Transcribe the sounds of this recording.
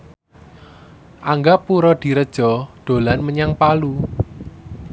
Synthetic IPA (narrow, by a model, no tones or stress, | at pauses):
ʔaŋɡapuɾɔd̪̥i̤ɾəd̥ʒ̥ɔ̤d̪̥o̤lanməɲaŋpalu